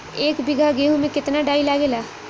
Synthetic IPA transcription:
eːkbɪɡʱaɡeːɦũmẽkɪt̪naɖaːilaːɡeːlaː

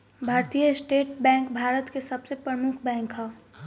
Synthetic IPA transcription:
bʱaːɾt̪ijəsʈeːʈ̚bɛ̃ːŋkbʱaːɾət̪kesəbsepɾəmʊkʰbɛ̃ːŋkɦɛ

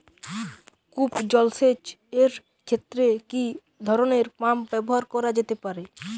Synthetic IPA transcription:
kupd͡ʑɔlset͡ɕ | eɾ | kʰet̪ːɾeki | d̪ʱɔɾoneɾpambɛboɦaɾkɔɾad͡ʑet̪epaɾe

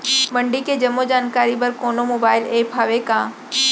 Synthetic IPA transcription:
mɐ̃ɳɖiked͡ʑɐmːod͡ʑaːnkaːɾibɐɾkoːnomoːbaːɪleːpʰaːʋekãː

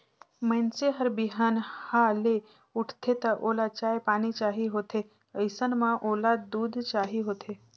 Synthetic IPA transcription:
mə̃ɪnseɦəɾbɪɦaːnhale | ʊʈʰt̪ʰet̪ɐʔoːlat͡ʃaːjpaːñit͡ʃaːɦiɦoːt̪ʰe | əɪsənmãʔoːlad̪uːd̪ʱt͡ʃaːɦiɦoːt̪ʰe

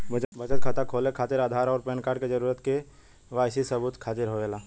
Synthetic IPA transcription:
bət͡ʃbət͡ʃət̪̚kʰaːt̪akʰoːlekʰaːt̪ɪɾaːd̪ʱaːɾɔːɾpeːnkaːɾɖked͡ʒəɾuːɾət̪ke | ʋaːjsisəbuːt̪kʰaːt̪ɪɾɦoelaː

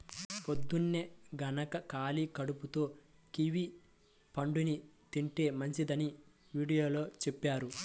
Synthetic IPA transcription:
pod̪ːunːeɡɐnɐkɐkaːlikɐɽuput̪o̞ː | kiʋi | pɐɳɖunit̪iɳʈe̞ːmɐɲt͡ʃid̪ɐni | ʋiːɽijo̞ːloːt͡ʃepːaːɾu

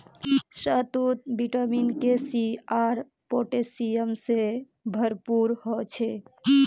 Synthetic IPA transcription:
sət̪ut̪̚biʈəminkesiaɾ | poʈesiemse | bʱəɾpuɾhɔt͡ʃʰe

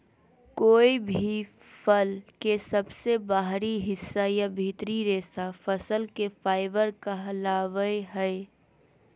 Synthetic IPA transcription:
koːibʱi | pʰəlkesəbsebaɦɾiɦɪsːajabʱit̪ɾiɾeːsafʰəsəlkepaːɪbəɾkaɦlaːʋəeɦəɪ

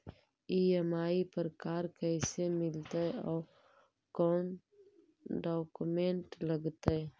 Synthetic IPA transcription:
iːɦəmaːipɾəkaːɾkɛːsemɪlt̪eɔːɾ | kɔːn | ɖɔːkumẽɳʈləɡt̪e

